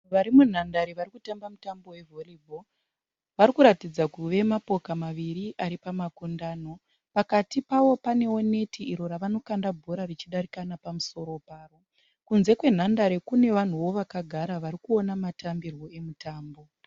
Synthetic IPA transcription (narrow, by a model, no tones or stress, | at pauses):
ʋaɾimun̤andaɾiʋarikutambamutambo̞we̞vʱolibʱo | ʋaɾikuɾatid͡zakuʋe̞mapo̞kamaʋiɾiʔaɾipamakundaːno̞ | pakatipaʋo̞pane̞wo̞ne̞tʰiʔiɾo̞raʋano̞kandabʱo̞ɾarit͡ʃiɗaɾikanapamuso̞ɾo̞paːro | kunze̞kwe̞n̤andaɾekune̞ʋan̤uwo̞ʋakaɡʱaɾaʋaɾikuo̞namatambirwo̞e̞mutaːmbo̞